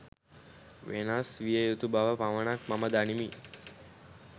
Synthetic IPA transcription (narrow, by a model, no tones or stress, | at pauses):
ʋʔenasʋijəjut̪ubaʋəpaʋənakmaməd̪animi